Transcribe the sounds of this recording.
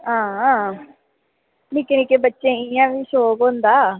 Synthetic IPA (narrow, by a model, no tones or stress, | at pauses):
ɦãː | miːkɪnikeːbətːʃẽːɪjãːʋiːsoːkɦõːnd̪aː